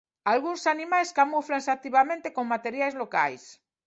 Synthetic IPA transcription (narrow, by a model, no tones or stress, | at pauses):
alɣunsanimajskamuflaŋsak̚t̪iβamẽnt̪ekoŋmat̪eɾjajzloka̰js